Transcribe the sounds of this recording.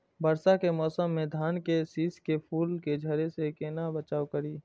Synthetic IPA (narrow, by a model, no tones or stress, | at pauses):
bəɾsakemɔːsəmːẽd̪ʱaːnkesiːskepʰuːlked͡ʒʱəɾesekenabət͡ʃaːwkəɾiː